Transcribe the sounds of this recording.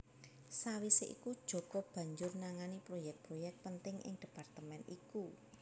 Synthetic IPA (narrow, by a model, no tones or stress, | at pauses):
sawiseʔikud̥ʒ̥ɔ̤kɔb̥ä̤ɲd͡ʒʊrnaŋanipɾojɛk̚t̪̚pɾojɛk̚t̪̚pənt̪ɪŋʔɪ̰ŋd̥ə̤part̪əmɛnḭku